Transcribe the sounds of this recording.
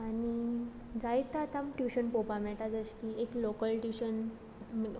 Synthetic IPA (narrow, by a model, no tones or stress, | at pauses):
añi | d͡zajt̪at̪ʰəmʈjuɕənpopamɛʈad͡zəsʈ̪ieklokəlʈjuɕən